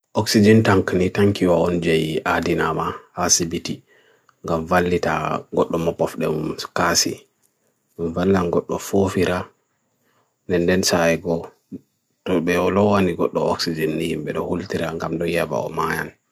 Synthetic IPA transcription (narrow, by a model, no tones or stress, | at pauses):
ʔɔksid͡ʒintaŋknitaŋkiwaɔnd͡ʒɛjadina̰mahasibiti | ŋɡamvalːita̰ɡɔɗːɔmɔpɔfɗɛmukasḭ | nvalːanɡɔɗːɔfofiɾʔa | nɛndɛnsajɛɡɔ | tɔbɛɔlɔwaniɡɔɗːɔɔ̰ksid͡ʒɛnːihimbɛɗɔhultiɾaŋɡamdɔjaba̰ɔ̰majan